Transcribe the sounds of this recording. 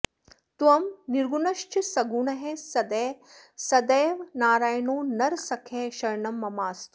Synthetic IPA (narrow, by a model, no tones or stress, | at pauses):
t̪uʋɐmniɾɡunɐʃt͡ʃisɐɡuːɳɐɦẽsɐd̪eː | sɐd̪eːʋnaːɾaːjnoːnɐɾsɐkʰeːʃɐɾɳɐmːɐmaːst̪u